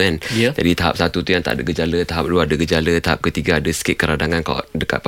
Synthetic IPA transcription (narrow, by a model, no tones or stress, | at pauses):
ənd͡ʒa̰dit̪aɦa̰p̚sat̪ut̪ujaŋt̪a̰ʔadəɡəd͡ʒalət̪aɦap̚luadəɡəd͡ʒalət̪aɦap̚kət̪iɡaːdəskɪt̪̚kəɾadaŋanka̰dəka̰t̪̚p